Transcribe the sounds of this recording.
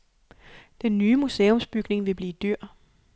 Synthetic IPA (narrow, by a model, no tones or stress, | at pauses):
d̥enːyːmuseːo̽msb̥yɡ̥ne̝ŋʋe̝b̥liːd̥yɐ̰